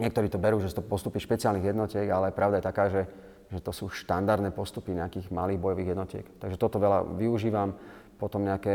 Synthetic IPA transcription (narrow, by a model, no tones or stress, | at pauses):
ɲɪɛkt̪ɔɾiːt̪ɔbɛɾuːʒɛsu̥t̪ɔpɔst̪upiʃpɛt͡siɪalniɣjɛd̪nɔcɪɛɡalɛpɾaʊd̪ajɛt̪akaːʒɛ | ʒɛt̪ɔsuːʃt̪and̪aɾd̪nɛpɔst̪upiɲɛakiːɣmaliːɣbɔjɔʋiːɣɦjɛd̪nɔcɪɛ̰kt̪aɡʒɛt̪ɔt̪ɔʋɛla̰ʋiuʒiːʋam | pɔt̪ɔmɲɛakɛː